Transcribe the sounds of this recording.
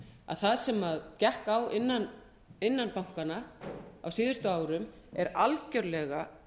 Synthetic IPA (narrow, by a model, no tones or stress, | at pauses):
a̰ðθaðsɛmaðcɛhkawɪnːan | ɪnːanpawŋ̥kanaa̰wsiːðʏst̪ʏaːwɾʏm | ɛɾalcœɥɾlɛɣa